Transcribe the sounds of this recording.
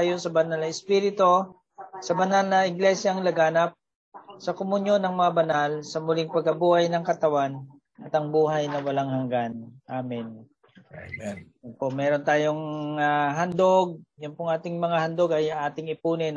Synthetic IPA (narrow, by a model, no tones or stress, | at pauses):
ajosɐbɐnalnɐɪspiːɾɪt̪o̞ | sɐbɐnalnɐʔɪɡlɛsjɐŋlɐɡaːnɐp̚ | sɐkomʊnjo̞nːɐŋmɐŋabɐnalsɐmʊlɪŋpɐɡ̚kɐbuːhajnɐŋkɐt̪ɐwan | ʔɐt̪ɐŋbuːɦajnɐwɐlaŋhɐŋɡanʔaːmɪn | jʊnpoʔmɛːɾont̪aːjoŋɐɦand̪oɡ̚jʊnpʊŋʔaːt̪ɪŋmɐŋahɐnd̪oɡɐjŋʔaːt̪ɪŋɪpuːnɪn